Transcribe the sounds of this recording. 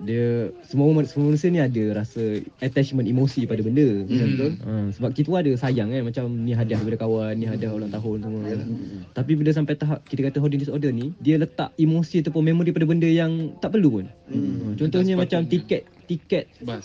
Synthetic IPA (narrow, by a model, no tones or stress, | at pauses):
diəsəmusəmuəmanusianĩadəɾasəat̪ɛt͡ʃmə̃nimosipadabəndəmat͡ʃamkəʔə̃səbap̚kit̪uadəsajaŋanmat͡ʃamnĩɦadiahdaijpadakawanːĩɦadiaɦolaŋt̪aɦʊns̬əmət̪ap̬ibiləs̬ampajt̪aɦap̚kit̪əkat̪əɦɔdindisɔrdərnidiələt̪a̰ʔimosiat̪awp̬ʊnmẽmaŋɾipadabəndəjaŋt̪aʔpərlupʊnət͡ʃɔnt̪ɔhɲəmãt͡ʃamt̪ikɛt̪ːikɛt̪̚